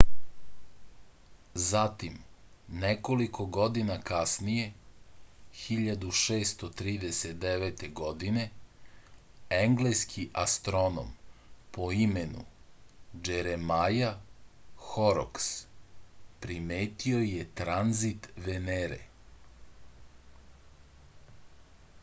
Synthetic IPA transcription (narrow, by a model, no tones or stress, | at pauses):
zat̪imneko̞liko̞ɡo̞d̪inakasnije̞ | xiʎad̪uʃeːst̪ot̪ɾiːd̪eset̪̚d̪eʋet̪eɡo̞d̪ine̞ | eŋɡleskʰiʔa̰st̪ɾo̞no̰mpo̞imenṵ | d͡ʒeɾemaja | xoɾo̰ks | pɾimeːt̪io̞jet̪ɾanzit̪ʋeneɾḛ